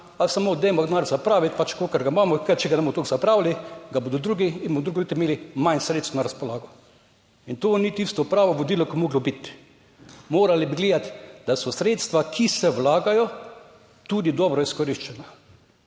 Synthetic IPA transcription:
alsamoːd̪ɛmɔɡd̪naːɾzapɾaːʋit̪pat͡ʃkoːkɛɾɡamaːmɔkat͡ʃɛɡanɛmɔt̪okz̥apɾaːwliɡaboːd̪ɔd̪ɾuːɡiinbod̪ɾuɡɔlit̪ɪmeːlimansɾeːt̪st̪naɾaspɔlaːɡɔ | int̪oːnit̪ist̪ɔpɾaːʋɔʋod̪iːlɔkimoːɡlɔbit̪ | moːɾalibiɡleːd̪at̪d̪asɔsɾeːt̪st̪ʋakʰisɛwlaːɡajɔ | t̪ud̪id̪ɔːbɾɔiskɔɾiʃt͡ʃɛna

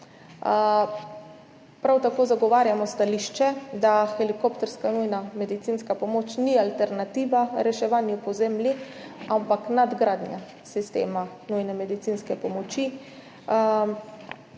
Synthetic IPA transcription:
pɾawt̪akoːzaɡɔʋaːɾjamɔst̪aliʃt͡ʃɛd̪axɛlikopt̪ɛɾskanujnamɛd̪it̪inskapɔmoːt͡ʃnialt̪ɛɾnat̪iːʋaɾɛʃɛʋaːnjupɔzemliampaknad̪ɡɾad̪nʲja | sist̪ḛːma | nujnɛmɛd̪it̪siːnskɛpɔmɔt͡ʃi

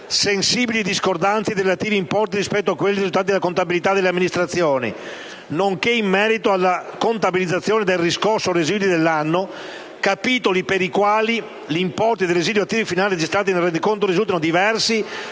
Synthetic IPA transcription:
sensiːbilid̪iskord̪ant̪sed̪iɾelat̪iːviːmpɔrt̪iɾispɛt̪ːoakːwelːiɾizult̪aːt̪id̪elakont̪abilit̪ad̪elːeamːinist̪ɾat̪sːjoːnḭ | noŋkeimːɛːɾit̪oalːakont̪abilid̪zat̪sːjoːned̪elriskorsːorezid̪jod̪elːanːo | kapiːt̪olipeɾikwaːli | ʎimpɔrt̪id̪ejrezid̪jat̪ːiːvifinaːlired͡ʒist̪ɾaːt̪̬inelrːend̪ikont̪oɾizult̪anod̪ivɛrsi

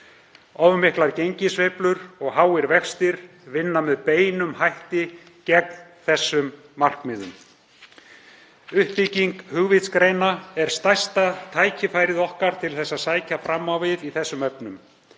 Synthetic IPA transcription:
ɔvmɪhklaɾcejɲcɪsveplʏɾɔɣɦaːwɪɾvɛkst̪ɪɾ̥ | vɪnːamɛðpeːjnʏmhajht̪ɪ | cɛkn̥ | θɛsːʏmː | ar̥kmɪːðʏ̰m | ʏhpiːciŋkhʏɣvɪt̪skɾeːjnaɛɾ̥st̪ajst̪at̪ʰaːjcʰɪfajɾɪðɔhkaɾ̥t̪ʰɪlθɛsːaðsaːjcafɾamːawvɪðiθɛsːʏmœpnʏm

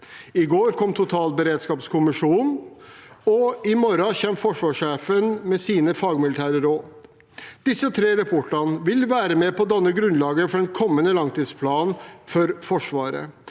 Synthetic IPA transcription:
ɪɡoːɾkʰɔmt̪ʰʊt̪ʰɑːlbəɾeːd̪skɑːpskʰʊmɪʂuːn | ɔɪmɔɾɑçɛmːfɔʂʋɑːʂeːfənmɛsiːnəfɑːɡmɪlɪt̪ʰæːɾəɾoː | d̪̥ɪsːət̪ʰɾeːɾɛpʰoːʈənəʋɪlʋæːɾəmɛpɔd̪ɑnːəɡɾʉnlɑːɡəɾəfɔɖɛnkʰɔmːənəlɑŋt̪ʰiːd̪spʰlɑːnfɔɾfɔʂʋɑːɾə̰

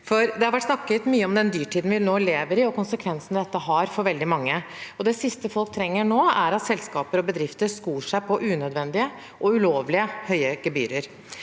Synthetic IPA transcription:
fɔɾd̪ɛhɑɾʋæʈːsnɑkːət̪myːəɔmd̪ɛnd̪yːʈʰiːd̪nʋɪnoːleːʋəɾɪɔkʊnsəkʰʋɛnsn̩d̪ɛt̪ːəɦɑɾfɔɾʋɛld̪ɪmɑŋːəɔd̪ɛsɪst̪əfɔlk̚t̪ʰɾɛŋːəɳoːæɾɑt̪sɛlskɑːpəɾɔbəd̪ɾɪft̪əɾskuːʂæɪpʰɔʔʉːnœd̪ʋɛnd̪ɪə | ʔɔʉloːʋlɪəhœʏəɡɛby̰ːɾəɾ

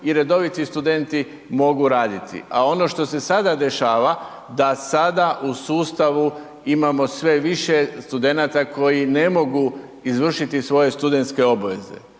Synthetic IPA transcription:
iɾe̞d̪o̞ʋit̪ist̪ud̪e̞nt̪i | mo̞ɡuɾaːd̪it̪ʰḭʔao̞no̞ʃt̪o̞se̞sad̪ad̪e̞ʃaːʋa | d̪asad̪aʔusuːst̪aʋu | imamo̞sʋe̞ʋiʃest̪ud̪e̞nat̪akʰo̞jine̞mo̞ɡu | izʋr̩ʃit̪isʋo̞je̞st̪ud̪e̞nt̪ske̞o̞baʋe̞̰ze̞̰

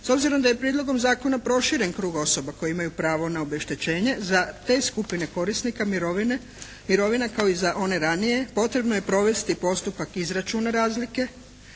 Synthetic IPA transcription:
so̞bziɾo̞md̪aje̞pɾiːd̪lo̞ɡo̞mzaːko̞napɾo̞ʃiɾe̞nkɾuːɡo̞so̞bako̞jiimajupɾaːʋo̞nao̞be̞ʃt̪e̞t͡ɕe̞ːɲe̞zat̪e̞ːskupine̞ko̞ɾisnikamiɾoʋine | miɾo̞ʋinakao̞izaʔo̞ne̞ɾanije̞po̞t̪ɾe̞bnoje̞pɾo̞ʋe̞st̪ipo̞st̪upakizɾat͡ʃuːnaɾaːzlike̞

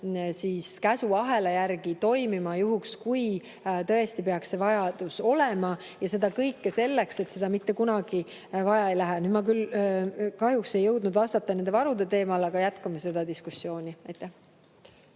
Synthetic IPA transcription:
siːskæsuɑɦe̞lejærɡ̥it̪o̞jmimɑjuɦukskuj | t̪ɤ̞est̪ipe̞ɑksse̞vɑjɑd̪̥uso̞le̞mɑ | jɑse̞d̪ɑkɤjkːese̞lːekse̞t̪se̞d̪ɑmit̪ːe̞kunɑɡ̥i | vɑjɑejlæɦænyːd̪mɑkyl | kɑɦjukse̞jːɤwd̪nud̪vɑst̪ɑt̪ːˑɑne̞nd̪e̞vɑɾud̪e̞t̪e̞ːmɑlɑɡ̥ɑjæt̪kɑmɑse̞d̪̥ɑd̪iskusːjo̞ːnʲiɑjt̪ːˑæh

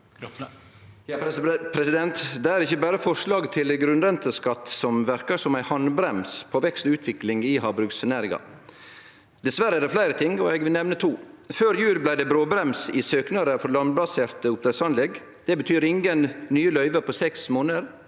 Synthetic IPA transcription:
jpʰɾɛsɪd̪ɛnt̪d̪ɛæɾɪçːəbæːɾəfɔʂlɑːɡt̪ʰɪlɡɾʉnɾɛnt̪əskɑt̪ːsɔmʋæɾkəsɔmæɪhɑnbɾɛmspʰɔʋɛkst̪ʉːt̪ʰʋɪklɪŋihɑːbɾʉɡsnæɾɪŋɑ̰ | d̪ɛsʋæɾəæd̪ɛflæɪɾət̪ʰɪŋɔɛɡʋɪlnɛʋnət̪ʰuːføːɾjʉːɾblæɪd̪ɛbɾoːbɾɛmsɪsøːknɑɾəfɔɾlɑnblɑseːɾt̪əʊp̚t̪ɛsɑnlɛɡ | d̪̥ɛbət̪ʰyːɾɪŋɡənnyːəlœʏʋəɾpʰɔsɛksmoːnəəɾ

